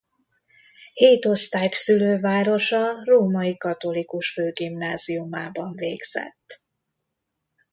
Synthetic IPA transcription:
heːt̪o̞st̪aːjt̪syløːvaːɾo̞ʃɒroːmɒikɒt̪o̞likuʃføːɡimnaːziumaːbɒɱveːɡz̥ɛ̰t̪ː

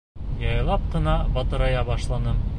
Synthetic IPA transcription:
jɑjlˠɑp̚qɤ̆nɑbɒt̪ɤ̆ɾɑjɑbɑʃlˠɑnɤm

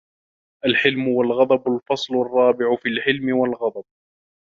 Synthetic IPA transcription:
ʔalħɪlmʊwalɣɑd̪ˤɑbalfɑsˤlʊrˤːɑːbɪʕʊfiːlħɪlmɪwalɣɑd̪ˤɑb̚

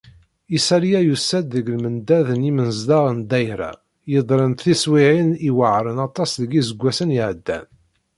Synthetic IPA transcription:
isæɾjæjusːæd̪ːəɡlmənd̪æðənimənzd̪ɑʁənd̪æjɾæ̰ | jəðˤɾˤənt̪θiswiʕiniwəʕɾˤənɑt̪ˤːɑsðəɡizəɡʷːæsənjiʕəd̪ːæ̰n

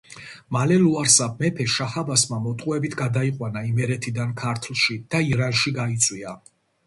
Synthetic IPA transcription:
malɛluaɾsab̚mɛpʰɛʃahabasmamɔt̪ʼqʼuɛbit̪ʰɡad̪aiqʼwanaimɛɾɛt̪ʰid̪ankʰaɾt̪ʰlˠʃid̪̥aiɾanʃiɡait̪sʼwia

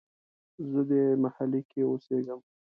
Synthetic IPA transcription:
zəd̪emahalekeoseɡəm

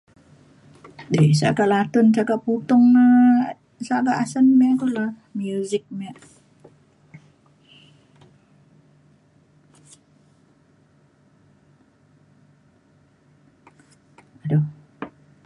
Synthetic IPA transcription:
desa̰ʔkaʔlat̪ʊnsakapːut̪ɔŋ | saʔkaʔasənmaʔkola | mjuzɪk̚maʔ | ado

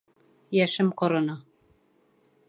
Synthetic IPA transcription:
jæʃɘmqŏɾɤ̆nɑ

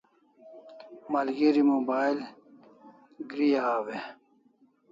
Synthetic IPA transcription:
malɡiɾimoːbaːjl | ɡɾijaːwe

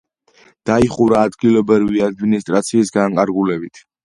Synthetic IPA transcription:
d̪̥aiχuɾaːd̪ɡilɔbɾviad̪minist̪ʼɾat̪sʰiːsɡaŋkʼaɾɡulɛbit̪ʰ

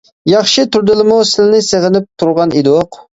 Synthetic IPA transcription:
jɑχʃit̪ʰuɾd̪ɪlˠɪmʊsɪlɪnɪseʁɪnɪp̚t̪ʰuɾʁɑnid̪oq

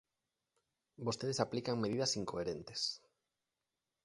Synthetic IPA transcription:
bost̪eðesaplikaŋmeðiðɐsiŋkoeɾent̪e̥s

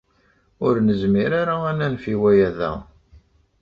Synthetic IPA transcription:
ʊɾnəzmiɾaɾaænænfiwæjæðæ̰

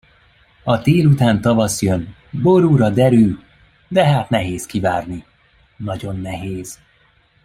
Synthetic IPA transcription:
ɒt̪eːlut̪aːnt̪ɒvɒsjøn | bo̞ɾuːɾɒd̪ɛɾyl | d̪ɛɦaːt̪nɛɦeːskivaːrni | nɒɟo̞nːɛɦeːz̥

